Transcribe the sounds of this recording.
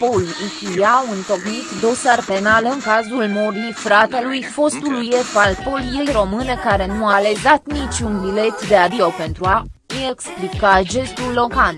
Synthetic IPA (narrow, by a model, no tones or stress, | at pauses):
polikʲiliaunt̪o̞knit̪d̪o̞sarpe̞nalɨŋkazulmoɾifɾat̪e̞lujfo̞st̪ulujepalpo̞lje̞jro̞mɨne̞kaɾe̞nuale̞zat̪nit͡ʃunbile̞t̪d̪e̞ad̪iope̞nt̪ɾua | ine̞ksplikaʒe̞st̪ulːo̞kan